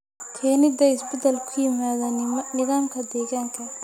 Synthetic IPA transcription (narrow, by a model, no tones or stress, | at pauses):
t̪ʰɛːnɪd̪ɐjɪsbɛd̪ɐlkʰʊjɪmaːðɐnɪðaːmkʰɐd̪ɛːɣaːŋkʰɐ